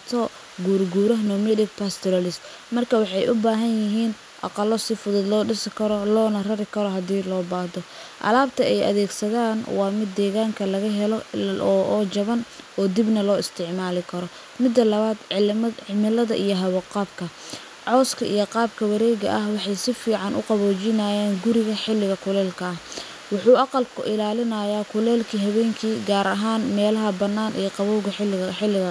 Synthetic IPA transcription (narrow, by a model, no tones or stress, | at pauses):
t̪ʰɔ | ɡuːɾɡuːɾɐɦnɔmɛdɪk̚pʰaːst̪ʰɔɾɐlɪst̪ | mɐrkʰɐwɑħɑjʔʊbaːɦɐnjɪɦiːn | ʔɑ̰qɑlːɔsɪfʊðʊd̪lɔːɖɪsɪkʰɐɾɔlɔːnɐrɐɾɪkʰɐɾɔɦɐd̪iːlɔːbaːd̪ɔ | ʔɐ̰laːb̚t̪ʰɐɛjɐ̰ðɛːɡsɐðaːnwɑːmɪd̪ːɛːɣaːŋkʰɐlɐɣɐɦɛlɔʔːt͡ʃɐβɐnɔːd̪ɪbnɐlɔːɪst̪ʰɪʕmaːlɪkʰɐɾɔ | mɪd̪ːɐlɐβaːd̪ɪmɪlɐðɐʔijɞɦɐwʊqɑːb̚kʰɐ | ʕɔːskʰɐʔḭjɞqɑːb̚kʰɐwɐɾɛːɣɐ̰ʔɐhwɑħɑjsɪfiːʕɑnʔʊ̰qɑβɔːt͡ʃɪnɐjaːnɡʊɾɪɣɐħɪlːɪɣɐkʰʊlɛːlkʰɐɐh | wʊħuːʔɑqɑlkʰʊ̰ʔɪlaːlɪnɐjaːkʰʊlɛːlkʰiːɦɐβɛːŋkʰiːɡaːɾɐɦaːnmɛːlɐɦɐbɐnːaːnʔḭjɔqɑβɔwɣɐħɪlːɪɣɐ